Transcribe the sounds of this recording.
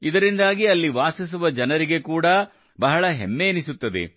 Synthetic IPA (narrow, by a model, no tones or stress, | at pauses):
id̪ɐɾind̪aːɡiɐlːiʋaːsis̬uʋɐd͡ʒɐnɐɾiɡe̞kuːɽɐ | bɐɦɐɭɐɦḛmːeːnisut̪ːɐd̪ḛ